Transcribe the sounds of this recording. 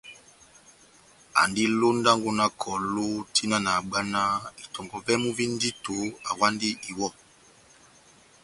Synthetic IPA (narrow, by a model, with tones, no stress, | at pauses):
a̰˨ndi˦lo˦nda˦ŋɡu˦na˦kʰɔ˨lu˦ti˦na˦na˨ɡ͡ba˦na˦i˨tɔ˨ŋɡɔ˨vɛ˦mu˦vi˦n˦di˦tu˨a˨wa˦ndi˦ʔi˨wɔ˦